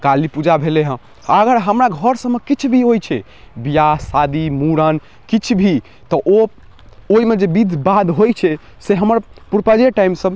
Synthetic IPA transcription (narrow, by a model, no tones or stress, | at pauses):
kalipud͡ʒabʱeleɦə̃ | əɡəɾɦəmɾaɡʱəɾsəbːekit͡ʃʰbʱiɦojt͡ʃʰɛ | bijasad̪imuɾən | kit͡ʃʰbʱi | t̪ɔʔo | oimed͡ʒebid̪ʱbad̪ɦojt͡ʃʰɛ | seɦəməɾpuɾpad͡ʒeʈaimsəb